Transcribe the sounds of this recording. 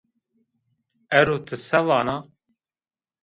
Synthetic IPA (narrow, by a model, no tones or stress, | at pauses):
ɛɾoːt̪ʰɨsɛvɑːnaː